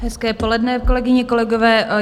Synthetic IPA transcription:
ɦɛskɛːpo̞lɛdnɛkolɛɡɪɲɛko̞lɛɡovɛːʔ

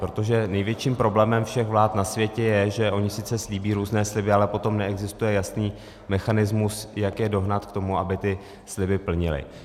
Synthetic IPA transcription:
pɾot̪o̞ʒɛnɛjvjɛt͡ʃiːmpɾo̞blɛːmɛmfʃɛxvlaːt̪nasvjɛcɛjɛʒɛʔo̞ɲɪsɪt͡sɛsliːbiːɾuːznɛːslɪbɪalɛpo̞t̪o̞mnɛɛɡzɪst̪ujɛjasniː | mɛxanɪzmusjakjɛdo̞ɦnat̪kt̪o̞muabɪt̪ɪ | slɪbɪpl̩ɲɪlɪ̰

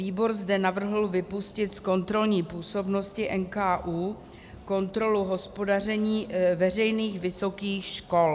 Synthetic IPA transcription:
viːbo̞ɾzdɛnavr̩ɦl̩vɪpuscɪt̪sko̞nt̪ɾo̞lɲiːpuːso̞bno̞scɪʔɛnkaːʔuː | ko̞nt̪ɾo̞luɦo̞spo̞darɛɲiːvɛr̝ɛjniːxvɪso̞kiːxʃko̞l

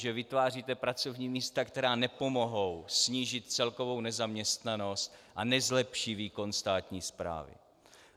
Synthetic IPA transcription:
ʒɛvɪt̪vaːr̝iːt̪ɛpɾat͡so̞vɲiːmiːst̪akt̪ɛɾaːnɛpo̞mo̞ɦo̞wsɲiːʒɪt̪t͡sɛlko̞vo̞wnɛzamɲɛst̪nano̞st̪ʔanɛzlɛpʃiːviːko̞nst̪aːt̪ɲiːspɾa̰ːvɪ̰

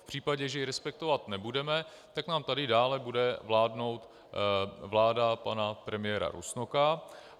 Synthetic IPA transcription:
fpr̝̥iːpaɟɛʒɛjɪɾɛspɛk̚t̪ovat̪nɛbudɛmɛ | t̪aknaːmt̪adɪdaːlɛbudɛvlaːdno̞wt̪ | vlaːdapanapɾɛmɪjɛɾa̰ɾṵsnoka

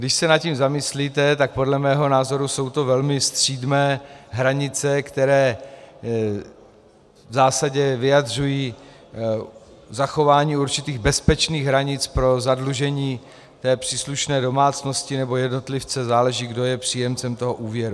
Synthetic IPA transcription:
ɡdɪʃsɛnat̪cimzamɪsliːt̪ɛt̪ak̚po̞dlɛmɛːɦo̞naːzo̞ɾuso̞wt̪ovɛlmɪst̪r̝̥iːdnɛːɦɾaɲɪt͡sɛkt̪ɛɾɛː | vzaːsaɟɛvɪjad̪rujiː | zaxo̞vaːɲiːuɾt͡ʃɪt̪iːɣbɛspɛt͡ʃniːɣɦɾaɲɪt͡spɾo̞zadluʒɛɲiː | t̪ɛːpr̥iːsluʃnɛːdo̞maːt͡sno̞scɪnɛbo̞jɛdno̞t̪lɪft͡sɛzaːlɛʒiːɡdo̞jɛpr̝̥iːjɛmt͡sɛmt̪o̞ɦoʔuːvjɛɾu

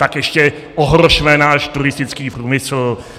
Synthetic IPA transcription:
t̪akjɛʃcɛ | ʔoɦɾoʃmɛnaːʃt̪uɾɪst̪ɪt͡skiːpɾuːmɪsl̩

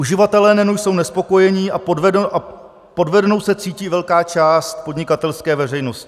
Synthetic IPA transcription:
ʔuʒɪvat̪ɛlɛːnɛnujso̞wnɛspo̞ko̞jɛɲiːʔapodvɛdʔa | po̞dvɛdno̞wsɛt͡siːciːvɛlkaːt͡ʃaːst̪̚po̞dɲɪkat̪ɛlskɛːvɛrɛjno̞scɪ̥

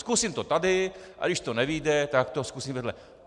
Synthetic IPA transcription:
skuːsimt̪ot̪ad̪ɪʔa̰dɪʃt̪onɛʋijd̪ɛt̪ak̚t̪oskuːsimvɛd̪lɛ

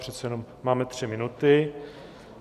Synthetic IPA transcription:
r̝ɛt̪t͡sɛjɛnommaːmɛt̪r̝̥ɪmɪnut̪ɪ

